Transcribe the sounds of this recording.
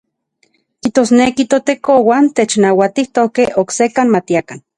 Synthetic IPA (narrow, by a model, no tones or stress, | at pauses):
kiht̪oːsnekit̪ot̪ekowant̪et͡ʃnawat̪iht̪okeoksekanmat̪iakan